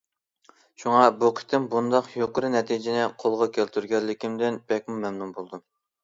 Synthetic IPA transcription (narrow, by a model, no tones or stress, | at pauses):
ʃuŋɑbuqʰə̥t̪ʰɪmbund̪ɑqjoqəɾɨnɛt̪ʰijd͡ʒɪnɪqʰolˠʁɑkʲʰelt̪ʰyɾɡʲɛllɪkʲimd̪ɪnb̥ɛkʲmumɛmnumbolˠd̪u